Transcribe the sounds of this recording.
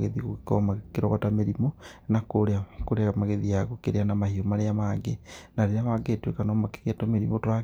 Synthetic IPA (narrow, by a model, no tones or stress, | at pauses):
ɣeðiɣokɔmakeɾɔɣatameɾimonakoɾeakoɾeamaɣeðijaɣokeɾeanamahiomaneamaɡenaɾeɾamaɡetwekanɔmake̥ɣeatomeɾimotwa